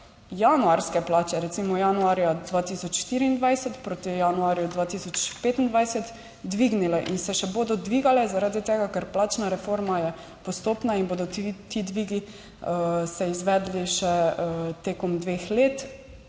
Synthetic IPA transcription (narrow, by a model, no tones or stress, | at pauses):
januaɾskɛplaːt͡ʃɛɾɛt̪simɔjanuaːɾjad̪ʋaːt̪isɔt͡ʃʃt̪iɾiːnd̪ʋajsɛt̪pɾoːt̪ijanuaɾjud̪ʋaːt̪isɔt͡ʃpeːt̪ind̪ʋajsɛt̪ | d̪ʋiɡnilɛʔinsɛʃɛboːd̪ɔd̪ʋiːɡalɛzaɾaːd̪it̪eːɡakɛɾplaːt͡ʃnaɾɛfoɾmajɛ | pɔst̪oːpnainboːd̪ɔt̪id̪ʋiːɡi | sɛizʋɛd̪liʃɛt̪eːkɔmd̪ʋexleːt̪